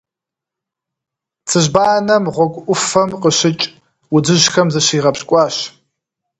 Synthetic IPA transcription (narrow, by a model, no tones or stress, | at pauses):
t͡sʰɨʒbaːnɐmʁʷɔkʷʼʊfɐmqəɕɪt͡ʃʼ | wʊd͡ʒɨʑxɐmzɐɕiːʁɐpɕkʷʼɑːɕ